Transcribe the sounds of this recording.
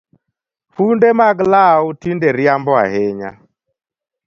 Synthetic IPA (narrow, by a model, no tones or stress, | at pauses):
fundemaɡlautindeɾjambɔa̰heɲa̰